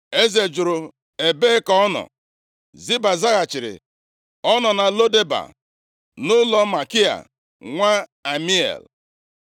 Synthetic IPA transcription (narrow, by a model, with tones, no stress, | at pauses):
e˦ze˨d͡ʒʊ˨ɾʊ˨ | e˨be˦kɔ˦nɔ̰˨ | zi˦ba˨za˦ɣa˨t͡ʃɪ˨ɾɪ̰˨ | ɔ˦nɔ˨na˨lo˦de˦ba̰˨ | nʊ˦lɔ˦ma˨ki˦a̰˨ | ŋʷa˦a˨mi˦ḛ˨l